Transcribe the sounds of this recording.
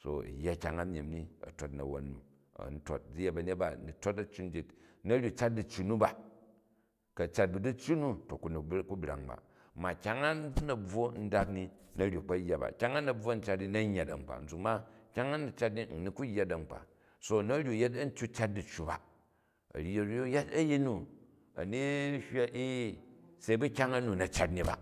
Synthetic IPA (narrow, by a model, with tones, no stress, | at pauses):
so̰˨jːa˦kʲa˨ŋa˦mʲ˨i˨mni˦ɐ̰˨to˦tnɐ̰˨wo̰˨nːu˨ | ɐ̰˨n̩˦to̰˨t̚d͡zi˦je˦bɐ˨ne˦t̚ba˨ni˨to˦tɐ˦t͡ʃu˦n˦d͡ʒi˨tnɐ˦ɾʲju˨t͡ʃa˦t̚di˨t͡ʃːu˨nu˦ba˨ | kɐ˨t͡ʃa˦t̚bu˨du˦t͡ʃːu˦nu˦to˨ku˨n˨ku˦bɾa̰˨ŋba̰˨ | ma˨kʲa˦ŋa˦nɐ˨b͡vo˦n̩˦da˦kni˦nɐ˦ɾʲju˨k͡pɐ˦jːa˨ba̰˨kʲa˦ŋa˦nɐ˨b͡vwo˦n̩˦t͡ʃa˦tni˦nɐ˦ɲːa˨tɐ̰˨ŋ͡m̩˨k͡pa̰˨n̩˨d͡zu˨ma˦kʲa˦ŋa˦nu˨t͡ʃa˦t̬̚ni˦n̩˨ni˦ku˦jːa˦dɐ˨ŋ͡m̩˨k͡pa̰˨ | so˦nɐ˦ɾʲju˨je˦t̬ɐ˦n̩˦t͡ʃʲu˦t͡ʃa˦t̚du˨t͡ʃːu˨ba̰˨ | ɐ̰˨ɾe˨ɾjo˦ja˦tɐ˦ji˦nu˨ | ɐ̰˨ni˦hʲwa˦ʔi˦se˨˦i˦bu˦kʲa˦ŋɐ˦nu˨nɐ˨t͡ʃa˦tni˦ba̰˨